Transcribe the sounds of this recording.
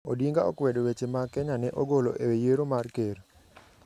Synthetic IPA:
odiŋɡaɔkwɛdowet͡ʃemakɛɲanɛʔoɡolo̰ʔewejeɾomarkeɾ

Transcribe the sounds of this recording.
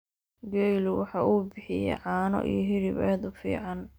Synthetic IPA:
ɡɛjlwɑħɑːʔuːbɪħɪjɛ̰ʕɑːnɔ̰ʔijɔɦɪɾɪβɛːd̪ʊfḭːʕɑn

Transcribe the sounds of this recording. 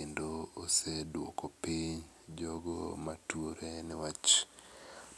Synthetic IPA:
endoosedwo̰kopiɲ | d͡ʒɔɡo̰matuoɾenɪwat͡ʃ

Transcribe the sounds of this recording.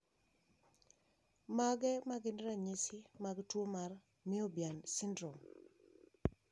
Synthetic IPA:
maɡɛmaɡɪnɾaɲisɪmaɡtwomar | mɪɔbjansɪndɾɔm

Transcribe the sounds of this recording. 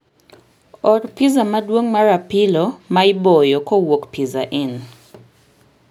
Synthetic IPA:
ɔrpizamadwoŋmaɾapɪlomaɪbɔjokowokpiza̰ʔɪn

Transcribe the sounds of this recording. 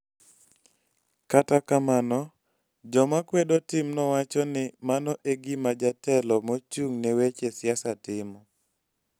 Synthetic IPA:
katakamanɔ | d͡ʒɔmakwedɔtɪmnɔwat͡ʃɔnɪmanɔʔeɡimad͡ʒatɛlɔmot͡ʃuŋnewet͡ʃesjasatɪmɔ

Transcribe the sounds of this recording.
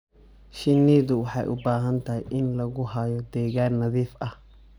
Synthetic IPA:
ʃɪnːiːd̪ʊwʊħa̰jʔʊ̰bːaːɦɐnt̪ɐjʔɪnlɐɡʊhaːjɔd̪eːɡaːnɐðiːfʔɐ

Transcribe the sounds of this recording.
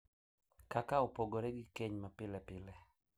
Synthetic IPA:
kakaopoɡoɾɛɡɪkeɲmapɪlɛpɪlɛ

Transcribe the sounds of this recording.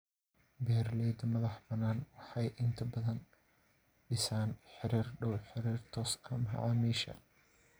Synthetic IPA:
bɛːɾlɛːd̪ɐmɐðɑħbɐnaːnwɑħɑjʔɪnt̪ʰɐbɐðɐn | ɖɪsaːnħɪɾiːrɖɔwħɪɾiːrt̪ʰɔːsʰɐmɦɐ̰ʕɑːmiːʃɐ̰

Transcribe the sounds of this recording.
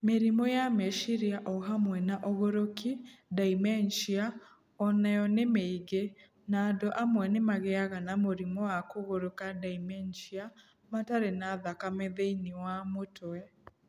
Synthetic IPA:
meɾimɔjamɛʃiɾiaʔɔɦamwɛnaʔoɣoɾokidaimɛnʃia | ɔnajɔnemeiɡe | naːdoʔamwɛnemaɣeaɣanamoɾimɔwakoɣoɾokadaimɛnʃia | mataɾenaːðakameðeiniwamotɛ

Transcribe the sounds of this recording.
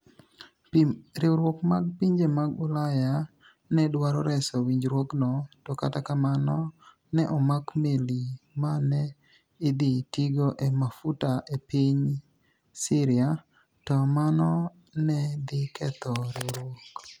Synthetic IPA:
ɾɪoɾwokmaɡ̚piɲd͡ʒemaɡʊlaja | nɛdwaɾɔɾɛsɔwiɲd͡ʒɾwoknɔtɔka̰takamanɔ | nɛʔɔmakmelimanɛː | d̪itiɡoʔemafutaʔepiɲ | sɪɾɪa | tɔmanɔ | nɛd̪ɪkɛt̪ɔɾɪoɾwok

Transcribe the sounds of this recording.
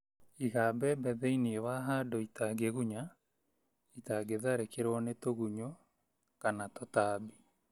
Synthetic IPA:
iɣabɛbɛðɛiniewaɦadoitaɡeɣuɲa | itaɡeðaɾekeɾɔnetoɣuɲɔ | kanatɔtaːbi

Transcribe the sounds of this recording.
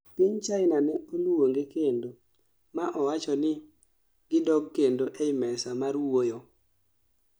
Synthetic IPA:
piɲt͡ʃaɪnanɛolwoŋɡekendo | maʔɔwat͡ʃɔnɪ | ɡ̥ɪdɔɡkːendoʔɛmɛsamarwojo

